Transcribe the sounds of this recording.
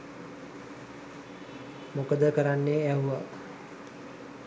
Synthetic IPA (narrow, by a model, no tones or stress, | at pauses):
mokəd̪əkəɾanːeæɦua